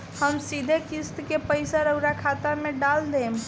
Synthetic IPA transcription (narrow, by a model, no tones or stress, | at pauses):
həmsid̪ʱekist̪kepəɪsaɾəʊɾakʰat̪ameɖald̪em